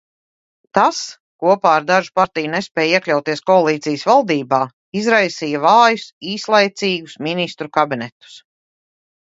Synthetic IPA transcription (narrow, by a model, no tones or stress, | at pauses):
t̪as | kuɔpaːaɾd̪aʒu̥paɾt̪ijunespʲɛːjiɛklʲawt̪iɛskɔalˠiːt̪sijəsvalˠd̪iːbaː | izɾajsiːjɐvaːjusiːslˠajt̪siːɡusminist̪ɾukabinɛt̪u̥s